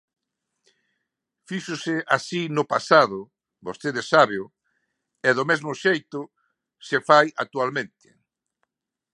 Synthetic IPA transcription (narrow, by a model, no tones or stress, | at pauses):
fiʃʊsɪasinʊpasaðʊ | bost̪eðɪsːaβeʊ | ɛðʊmɛzmʊʃejt̪ʊ | sefaja̰k̚t̪ualmẽnt̪ɪ̥